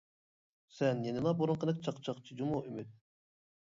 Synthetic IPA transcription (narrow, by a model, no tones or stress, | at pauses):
sɛnjenɨlˠɑboɾuɴqʰənɨk̚t͡ʃʰɑqt͡ʃʰɑqt͡ʃʰid͡ʒumuʔymyt̪̚